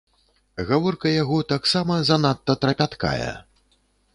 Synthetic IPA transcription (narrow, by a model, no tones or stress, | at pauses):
ɣavɔrkɐjaɣɔt̪aksamɐzanat̪ːɐt̪ɾɐpʲat̪ka̰jɛ̰